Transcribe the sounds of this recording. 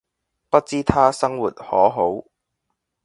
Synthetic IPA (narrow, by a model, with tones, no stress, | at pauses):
pɐ˥t̚t͡siː˥t̪ʰaː˥sɐ˥ŋwuː˨˩t̚hɔː˨˥ɦo˨˥w